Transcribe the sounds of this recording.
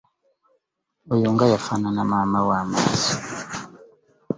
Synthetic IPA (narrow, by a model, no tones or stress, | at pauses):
ujuŋɡajafananamamawama̰ːzi